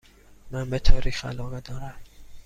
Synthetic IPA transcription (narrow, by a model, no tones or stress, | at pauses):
mænbet̪ʰɒːɾʔiːxæ̰lɒːɣed̪ɒːɾæm